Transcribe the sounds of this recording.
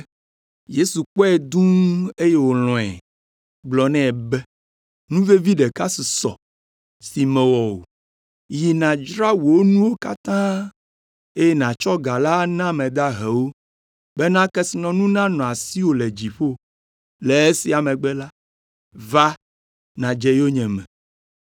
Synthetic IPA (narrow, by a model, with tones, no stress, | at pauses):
je˦su˨k͡pɔ˦ɛ˨d̪ũ˦e˦je˦wo˨lɔ̃˨ɛ̰˨ | ɡ͡blɔ˨nɛ̃˦˨bɛ˦ | nũ˦ve˦vi˦ɖe˨ka˦si˨sɔ̰˨ | si˨mɛ̃˨wɔ˨wo̰˨ | ji˨nã˨d͡ʒɾa˦wo˨wo˦nũ˦wo˦ka˦t̪ã˦ | e˦jɛ˦nã˨t͡ʃɔ˦ɡa˨la˦nã˦mɛ̃˨d̪a˦ɦɛ˨wo˦ | bɛ˦nã˦kɛ˦si˨nɔ̃˨nũ˦nã˦nɔ̃˨a˨si˦wo˦le˨d͡ʑi˨ɸo˦ | lɛ˨e˦si˨a˨mɛ̃˨ɡ͡bɛ˦la˦ | va˦ | nã˨d͡ʒɛ˦jo˦ɲɛ̃˨mɛ̃˨